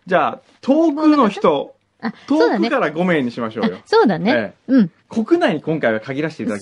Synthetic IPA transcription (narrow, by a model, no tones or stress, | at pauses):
d͡ʑaː | t̪ʰo̞ːkɯ̟noçi̥t̪o̞ | ao̞ːkɯkaɾaɡo̞mẽ̞ːɲ̟ːiɕimaɕo̞̰ːjosoːd̪aneeːɯ̃ɴ | kʰo̞kɯ̟naiɲ̟ikõ̞ŋkaiβakaɡʲiɾaɕi̥t̪et̪ad̪ak